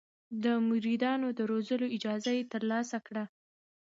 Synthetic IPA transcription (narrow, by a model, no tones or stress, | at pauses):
d̪əmʊɾid̪ɑnod̪əɾozəloɪd͡ʒɑzajet̪əɾlɑsakɽa